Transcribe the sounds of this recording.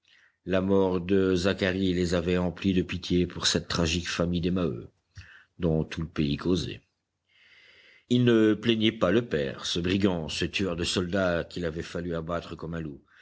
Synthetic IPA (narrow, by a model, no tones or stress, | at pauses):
lamɔʁd̪əzakaʁilezavɛɑ̃plid̪əpit̪jepuʁsɛt̪ːχaʒikfamijd̪emaø̰ | d̪ɔ̃t̪uləpeikʰozḛ | ilnəplɛɲɛpaləpɛ̰ːʁsəbʁiɡɑ̃sət̪yœʁd̪əsɔld̪akilavɛfalyabat̪χəkɔmɛ̃lu